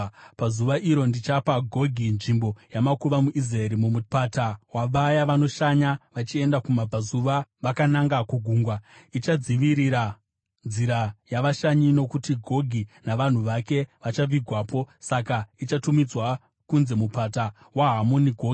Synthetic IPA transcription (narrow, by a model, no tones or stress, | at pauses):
pazuʋaʔiɾo̞ndit͡ʃapaɡʱo̞ɡʱinʐimbo̞jamakuʋamuʔizraeɾimumupatawaʋajaʋano̞ʃaɲaʋat͡ʃie̞ndakumapazuʋaʋakanaŋɡakuɡʱuːŋɡwait͡ʃad͡ziʋiɾiɾa | nd͡ziɾajaʋaʃaɲino̞kutiɡʱo̞ɡʱinaʋan̤uʋake̞ʋat͡ʃaʋiɡʱwaːpo̞sakait͡ʃatumid͡zwa | kunze̞mupata | waɦamo̞niɡʱo̞ɡʱi